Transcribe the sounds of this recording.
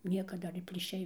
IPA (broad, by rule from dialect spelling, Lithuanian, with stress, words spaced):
ˈnʲiɛkɐ ˈdɐr ɪr pʲlʲiːˈʃʲɛɪ